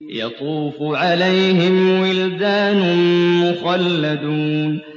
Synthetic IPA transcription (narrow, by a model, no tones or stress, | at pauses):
jɑ̰t̪ˤuːfʕalajɦɪmwɪld̪aːnʊmʊxalːad̪uːn